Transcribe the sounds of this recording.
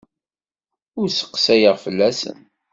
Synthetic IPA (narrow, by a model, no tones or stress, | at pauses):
ʊɾsə̥qːsæjəʁfəlːæsə̰n